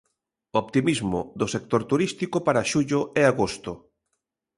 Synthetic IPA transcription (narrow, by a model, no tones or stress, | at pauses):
opt̪imizmʊðʊsek̚t̪oɾt̪uɾist̪ikopaɾaʃuʎʊeaɣost̪ʊ